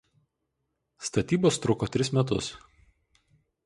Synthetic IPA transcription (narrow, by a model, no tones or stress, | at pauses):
st̪ɐt̪ʲiːboːst̪ɾʊkoːt̪ʲɾʲɪsmʲɛt̪ʊ̰s